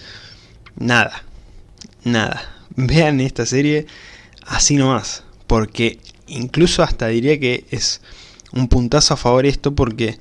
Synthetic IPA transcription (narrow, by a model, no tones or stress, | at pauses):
naða | na̰ða̰be̞ane̞st̪ase̞ɾje̞ | asino̞maspo̞ɾke̞iŋkluso̞ast̪aðiɾiake̞es | umpunt̪asoafaβo̞ɾe̞st̪o̞p̬o̞ɾke̞